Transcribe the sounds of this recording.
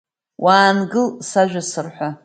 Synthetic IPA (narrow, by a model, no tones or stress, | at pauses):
wʔaːnɡɨlsaʒᶣʷasɨrħʷa